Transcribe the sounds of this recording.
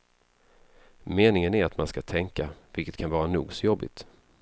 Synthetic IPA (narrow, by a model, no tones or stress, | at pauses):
meːnɪŋənæɾat̪manskat̪ʰɛŋkavɪlkə̥t̪kʰanvɑːɾanuːɡsɔjɔbːɪ̰t̪